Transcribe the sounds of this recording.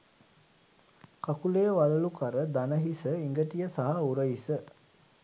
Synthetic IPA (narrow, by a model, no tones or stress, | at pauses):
kakulejʋɐləlukaɾəd̪anəɦisəiŋɡəʈijəsaɦauɾəjisə